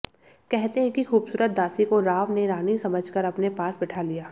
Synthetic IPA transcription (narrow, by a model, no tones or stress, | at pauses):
kɛɦt̪eɦɛ̃kixuːbsuːɾət̪̚d̪aːsikoɾaːʋneɾaːnisɐməd͡ʒʱkəɾɐpnepaːsbɪʈʰalijaː